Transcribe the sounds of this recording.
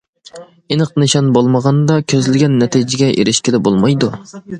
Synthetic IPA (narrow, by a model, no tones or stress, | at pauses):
enəqnɨʃɑnbolˠməʁɑnd̪ɑkʲʰøzlɪɡʲɛnːɛt̪ʰid͡ʒɪɡʲɛʔḛɾɪʃkʲid̪ɛbolˠmɑjd̪u